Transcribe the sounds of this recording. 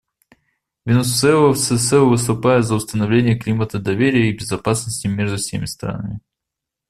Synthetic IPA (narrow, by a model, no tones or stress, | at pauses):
vʲɪnussɛəsɛsɛvɨst̪ʊpajɪt̪zəʊst̪ənɐvlʲenʲɪjəklʲimət̪əd̪ɐvʲeɾʲɪjəibʲɪzɐpasnəsʲtʲɪmʲeʐd̪ʊfsʲḛmʲɪst̪ɾa̰nə̰mʲɪ